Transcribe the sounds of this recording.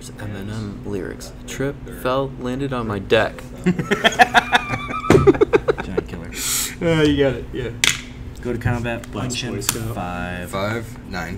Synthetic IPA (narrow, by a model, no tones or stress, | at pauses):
zɛ̃mɨ̃nɛ̃mlɪ̰ɹɪ̰ks | tʰɹ̥ɪp̚fɛlˠlæ̃ndɨɾn̩maɪdɛk | d͡ʒãɪ̃nkʰɪlˠə̰˞ʌjɨɡɑɾɨt̚jæ | ɡ̥oʊɾɨkʰɑ̃mbæt̚b̥ʌ̃nt͡ʃɨ̃sfaɪv̥ɪv̥ | nãɪ̃n